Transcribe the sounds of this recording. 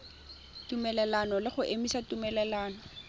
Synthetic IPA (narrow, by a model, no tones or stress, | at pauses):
tumɛlɛlanɔlɪχʊʔemisatumɛlɛlaːnɔ